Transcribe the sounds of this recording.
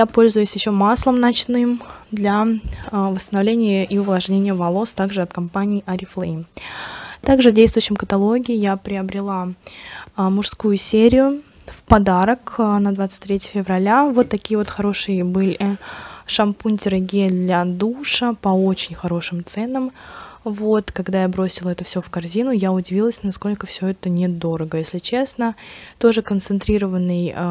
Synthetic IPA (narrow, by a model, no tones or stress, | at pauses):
japo̞lʲzʊjʊsʲjɪɕːo̞maslˠəmnɐt͡ɕnɨmd̪lʲa | vəst̪ənɐvlʲenʲɪjəʔiʊvlˠɐʐnʲenʲɪjəvɐlˠo̞st̪aɡʐɨɐt̪kɐmpanʲɪːʔɐɾʲɪflˠe | t̪aɡʐɨvdʲejst̪vʊjɕːɪmkət̪ɐlˠo̞ɡʲɪːjapɾʲɪəbɾʲɪlˠa | mʊʂskujʊsʲeɾʲɪjʊ | fpɐd̪aɾəknɐd̪vat̪sɨ̥t̚ʲt̪ɾʲetʲɪjəfʲɪvrɐlʲavo̞t̪ːɐkʲijəvo̞t̪xɐɾo̞ʂɨjbɨlʲ | ʂɐmpunʲtʲɪɾəɡʲed̪lʲad̪uʂəpɐo̞t͡ɕɪnʲxɐɾo̞ʂɨmt̪sɛnəmvo̞t̪kɐɡd̪ajabɾo̞sʲɪlˠəɛt̪əfsʲofkɐrzʲinʊjaʊdʲɪvʲilˠəsʲnɐsko̞lʲkəfsʲoɛt̪ənʲɪd̪o̞ɾəɡəjesʲlʲɪt͡ɕe̞snət̪o̞ʐɨkənt̪sɨnt̪ɾʲiɾəvənːɨj